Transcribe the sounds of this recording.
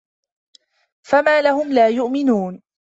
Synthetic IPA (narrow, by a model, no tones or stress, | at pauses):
famaːlahʊmlaːjʊʔmɪnuːn